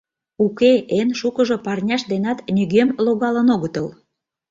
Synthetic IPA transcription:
ukeenʃukəʒŏpɑrnʲɑʃd̪enɑt̪nʲyɣemloɣɑlə̆noɣət̪əl

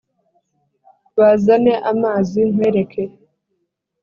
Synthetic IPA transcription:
βazaneʔamaːziŋ̥weɾekʰe

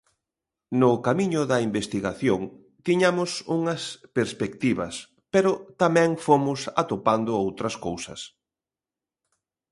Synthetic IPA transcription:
nʊkamiɲʊðɐimbest̪iɣaθjoŋ | t̪iɲamʊsuŋɐspeɾspekt̪iβɐs | peɾʊt̪amɛ̃ŋfomʊsa̰t̪opand̪ʊowt̪ɾɐskowsɐ̰s

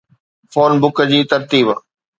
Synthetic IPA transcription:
foːnbʊkəd͡ʑiːt̪ɐɾt̪iːb

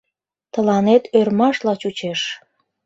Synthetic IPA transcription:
t̪əlɑnet̪ʰørmɑʃlɑt͡ɕut͡ɕeʃ

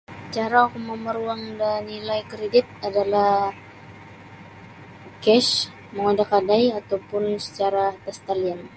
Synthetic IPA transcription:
sə̥t͡ʃaɾaukʊməməɾuaŋdanilajkɾedɪt̪̚adalah | kɛʃ | məŋadakadajat̪awpʊnsə̥t͡ʃaɾat̪ɛst̪alian

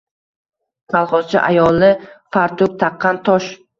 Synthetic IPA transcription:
k̪ʰalˠχɒz̥t͡ʃʰa̰ʔajɒlˠɪfaɾt̪ʰʊk̚t̪ʰɑqʰːɑnt̪ʰɒʃ

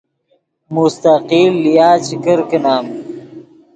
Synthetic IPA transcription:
must̪aqiːlːijaːt͡ɕikɐɾkenaːm

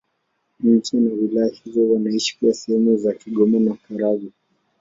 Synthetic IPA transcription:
ɲ̩t͡ʃinawilajahizɔwanaiʃi̥kuwasɛhɛmuzakiɠɔmɔnaukaɾaɓi

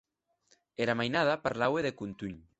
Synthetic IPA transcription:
ɛɾamajnað̞apaɾlaweðekunt̪uɲ

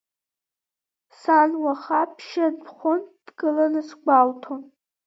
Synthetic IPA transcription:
sanwaχapʰʃanpʰχʷʊnd̥ɡɨlanɨsɡʷaltʰon

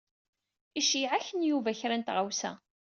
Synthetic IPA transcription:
iʃiʕaçənjuvæçɾænt̪ʁawsæ̰

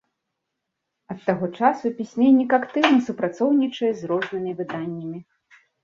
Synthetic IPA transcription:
ɐt̪ːaɣɔt͡ʂasupʲisʲmʲɛnʲːikakt̪ɨwnɐsupɾat̪sɔwnʲit͡ʂɐjɛzrɔʐnɨmʲivɨd̪anʲːɐmʲi

